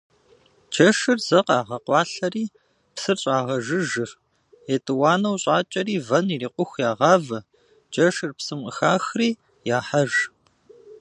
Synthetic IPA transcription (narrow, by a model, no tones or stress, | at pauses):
d͡ʒɐʂɨrzɐqɑːʁɐqʷɑːɬɐriː | psɨrɕʼaːʁɐʒɨʒɨr | eːtʼɨwaːnɐwɕʼaːt͡ʃʼɐɾiːvɐniriːqʷʊxʷjaːʁɑːvɐ | d͡ʒɐʃɨrpsɨmqəxaːxriː | jaːħɐʒ